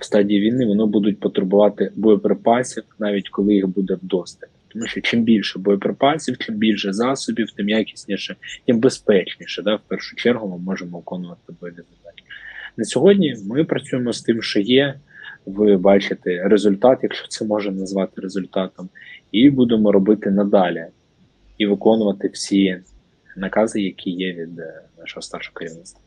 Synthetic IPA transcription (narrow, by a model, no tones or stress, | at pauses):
wst̪ɑdʲiːʋʲijnɪʋɔnɪbud̪ʊt̚ʲpɔt̪ɾebʊʋɑt̪ɪbɔɔpɾɪpɑsʲiwnɑʋʲitʲkɔlˠɪjixbud̪ɛwd̪ɔst̪ʲɐt̪ʲɪ̥t̪ɔmuʃt͡ʃɔt͡ʃimbʲilʲʃɛbɔjɔpɾepɑsʲiwt͡ʃɪmbʲilʲʃɛzɑsɔbʲiwt̪ɪmjakʲi̥sʲnʲiʃɛtʲimbespɛt͡ʃnʲiʃɛd̪ɑwpɛrʂʊ̥t͡ʃɛrɦʊmɪmɔʒemɔɪkɔnʊʋɐt̪ɪbɔjɔɾʲɪzʊlʲt̪ɑtʲnɐsʲɔɦɔdʲnʲimɪpɾɐt͡sʲujemɔst̪ɪmʃt͡ʃɔjɛʋɪbɑt͡ʃɪt̪ɛrezʊlʲt̪ɑt̪jɐkʃt͡ʃɔ̥t̪sɛmɔʒɛnɐzʋɑt̪ɪɾezʊlʲt̪ɑt̪ɔmibud̪emɔɾɔbɪt̪ɪnɐd̪ɑlʲi | iʋɪkɔnʊʋɐt̪ɪwsʲi | nɐkɑzɪjɐkʲʰijɛʋʲid̪nɑʃɔɦɔst̪ɑrʃɔɔkɐɾʲiʋnɪst̪ʋɐ